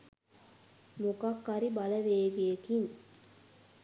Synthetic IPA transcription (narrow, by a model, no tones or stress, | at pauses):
mukakːaɾibaləʋeːɡekiŋ